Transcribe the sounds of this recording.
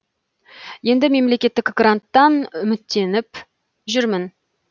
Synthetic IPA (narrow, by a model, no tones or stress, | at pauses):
je̞nd̪ɪme̞mle̞kʲe̞t̪ːɪkɡrant̪ːɑnʏmɪt̪ːe̞nɪp | ʒʏɾmɪn